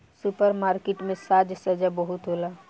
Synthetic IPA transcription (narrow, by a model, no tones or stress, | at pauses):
supəɾmaːɾkeʈmẽsaːd͡ʒsəd͡ʒabəɦʊt̪ɦoːla